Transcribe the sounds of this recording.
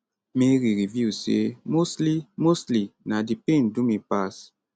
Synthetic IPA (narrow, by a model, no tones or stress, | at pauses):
meɾiɾiviusḛmoslimoslinadipẽndumepas